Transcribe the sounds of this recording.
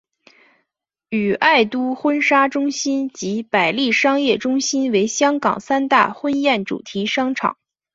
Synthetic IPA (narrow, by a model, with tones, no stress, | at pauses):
y˨˩ʔa˥˩ɪt̪u˥xwə˥nʂa˥ʈ͡ʂʊ˥ŋɕi˥nt͡ɕi˧˥pa˨˩ɪli˥˩ʂɑ˥ŋjɛ˥˩ʈ͡ʂʊ˥ŋɕi˥nwe˧˥ɪɕjɑ˥ŋkɑ̰˨˩ŋsa˥nt̪a̰˥˩xwə˥njɛ˥˩nʈ͡ʂṵ˨˩t̪ʰi˧˥ʂɑ˥ŋʈ͡ʂʰɑ̰˨˩˦ŋ